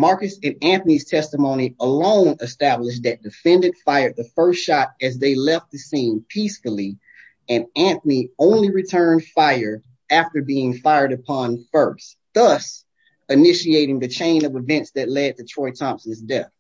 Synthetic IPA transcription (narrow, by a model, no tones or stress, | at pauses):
mɑɹkɨsɨ̃næ̃nθəniz̥tʰɛstəmõʊ̃ñiəlõʊ̃nɨstæblɪʃ̬̚ðɨt̚d̥ɨfɛ̃ndɨ̃ntfaɪə˞d̪̚ðəfɜ˞stʃɑɾɨzðeɪlɛft̪̚ðɨsĩnpʰisfl̩ˠi | ɨ̃næ̃nθəniõʊ̃nliɹɨtʰɜ̃˞nd̥faɪə˞ | æftə˞biɪ̃ŋfaɪə˞ɾɨpʰɑ̃nfɜ˞s | ðʌs | ɨnɪʃieɪɾɪ̃ŋðɨt͡ʃʰẽɪ̃nʌvɨvɛ̃ntsðɨtˡlɛd̪̚ðɨtʰɹ̥ɔɪtʰɑ̃mpsn̩zdɛθ